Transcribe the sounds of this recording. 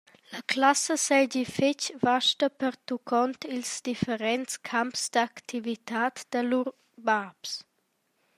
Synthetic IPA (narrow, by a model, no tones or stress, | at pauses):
ləklasəsɛd͡ʑifɪt͡ʃvaʃtəpəɾt̪ukʰɔnt̪ilsd̪ifəɾɛntt͡skʰampsd̪akt̪ʰivit̪aːt̪d̪̥əluɾ | baps